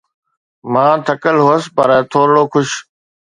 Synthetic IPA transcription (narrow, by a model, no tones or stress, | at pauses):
mãːt̪ʰɐkəlɦoːəspɐɾt̪ʰoːɾɽoːkʰʊʃ